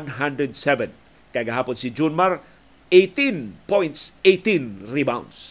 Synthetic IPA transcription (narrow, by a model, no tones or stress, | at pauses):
nɦãndɾədsɛvə̃n | kaɡaɦapɔnsid͡ʒunmar | et̪inpɔjntset̪ĩnribãw̃ns